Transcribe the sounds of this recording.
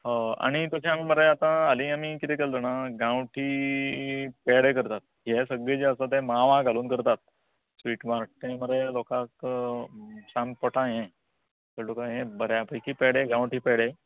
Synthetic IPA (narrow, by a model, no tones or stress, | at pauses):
ɦə̃a̰ɽ̃it̪əsẽamiməɾeat̪ãalĩamikit̪ɛkelt̪onaɡãwʈʰiː | peɽekəɾt̪at̪̚jesəɡɭed͡ʑeəsat̪̬ɛ̃maʋãɡʱaluːnkəɾt̪at̪̚ | sʋiːʈmaɾʈ̪ẽməɾelɔkak | sãmpəʈʰãɦɛ̃ | t̪əlokãɦẽbəɾjapəjkiːpeɽeɡãwʈiːpeɽe